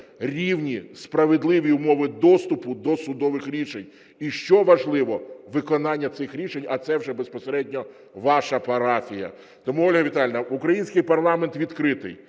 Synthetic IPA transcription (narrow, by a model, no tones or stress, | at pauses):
rʲiwnʲispɾɐʋed̪lˠɪʋʲiʊmɔʋɪd̪ɔst̪ʊpʊd̪ɔsʊd̪ɔʋɪxɾʲiʃenʲ | iʃt͡ʃɔʋɐʒlˠɪʋɔʋɪkɔnɑnʲːɐt̪sɪxɾʲiʃenʲɐt̪sɛwʒɛbespɔseɾɛdʲnʲɔ | ʋɑʃɐpɐɾɑfʲijɐ̰ | t̪ɔmuɔlʲɦɐʋʲit̪ɑlʲnɐukɾɐjinʲsʲkɪjpɐrlˠɑment̪ʋʲid̪kɾɪt̪ɪ̰j